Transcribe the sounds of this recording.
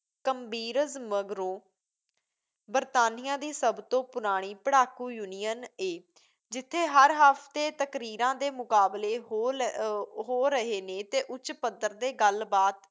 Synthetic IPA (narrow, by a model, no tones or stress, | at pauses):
kəmbiːɾəzməɡɾõː | bəɾt̪aːnɪjãːd̪iːsəbt̪õːpʊɾaːɽ̃iːpəɽaːkuːjuːnɪjəneː | d͡ʒɪt̪ʰːeːɦəɾɦaːpʰt̪eːt̪əkɾiːɾãːd̪eːmʊkaːbleː | ɦoːɾəɦeːnẽːt̪eːʔʊt͡ʃpəd̪əɾd̪eːɡəlbaːt̪